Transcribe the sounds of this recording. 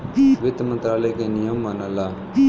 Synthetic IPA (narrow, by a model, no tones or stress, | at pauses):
ʋɪt̪mə̃nt̪ɾaːlekenijəmːanəlaː